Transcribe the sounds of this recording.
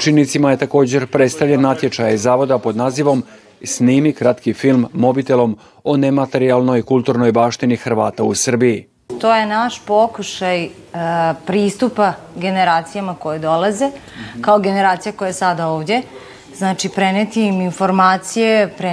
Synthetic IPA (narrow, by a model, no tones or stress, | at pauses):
t͡ʃinit̪simajet̪ako̞ːd͡ʑe̞ɾpɾet̪st̪aʋʎenːat̪je̞t͡ʃajaizaːʋo̞d̪apo̞d̪naːziʋo̞m | sniːmikɾat̪kifilˠmːo̞bit̪elo̞m | o̞nemat̪e̞ɾialˠno̞jkulˠt̪uɾno̞jbaːʃt̪inixɾ̩ʋaːt̪ausr̩biji | t̪oːje̞naʃpo̞kuʃaj | pɾiːst̪upaɡe̞neɾaːt̪sijamako̞jod̪o̞lˠazekaoɡe̞neɾaːt̪sijako̞jasad̪aoːʋd̪ʲe̞ | znaːt͡ʃipɾenet̪iminfo̞ɾmaːt̪sijepɾe